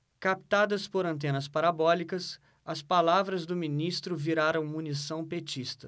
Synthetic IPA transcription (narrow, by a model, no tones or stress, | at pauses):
kap̚t̪ad̪ɐspoɾɐ̃nt̪̬ẽnɐspaɾabɔlikɐs | ɐspalavɾɐzd̪ʊminist̪ɾʊviɾaɾɐ̃w̃munisɐ̃w̃pet͡ʃist̪ɐ̥